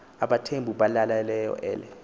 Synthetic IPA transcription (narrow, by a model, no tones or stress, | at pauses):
aɓatʰembʱuɓalalalɛjɔ̰ʔɛːlɛ